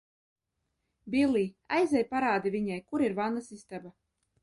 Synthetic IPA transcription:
bʲilˠiːa̰jzɛjpaɾaːd̪ivʲiɲajkuɾiɾvanasist̪aba

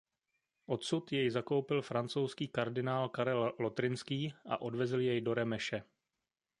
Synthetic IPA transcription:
ʔo̞t̪sut̪jɛjzako̞wpɪlfɾant͡so̞wskiːkaɾdɪnaːlkaɾɛlːo̞t̪ɾɪnskiːʔa̰ʔo̞dvɛzljɛjdo̞ɾɛmɛʃɛ

